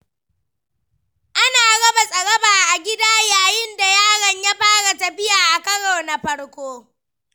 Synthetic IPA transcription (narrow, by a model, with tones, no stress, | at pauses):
ʔa˦naː˨ɽɐ˦ba˨sʼɐ˨ɽɐ˦baː˨ʔa˨ɡʲɪ˦daː˦jaː˨jɪ˦nda˨jaː˦ɽɐ˨ɲja˦ɸaː˦ɽa˨ta˨ɸɪ˦jaː˨ʔa˨kɐ˦ɽoː˨na˨ɸɐ˦ɽkʷoː˦